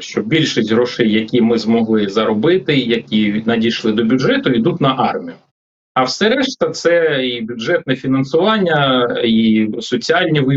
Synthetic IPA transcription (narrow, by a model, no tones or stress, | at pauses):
ʃt͡ʃɔbbʲilʲʃisʲtʲɦɾɔʃɛjːɐkʲimɪzmɔɦlˠɪzɐɾɔbɪt̪ɪjɐkʲinɐdʲijʃlˠɪd̪ɔbʲʊdʒɛt̪ʊid̪ut̪ʲnɐʔɑrmʲijʊ | ɐwsɛɾɛʃt̪ɐt̪sɛibʲʊdʒɛt̪̚nɛfʲinɐnsʊʋɑnʲːɐisɔt͡sʲiɑlʲnʲiʋɪ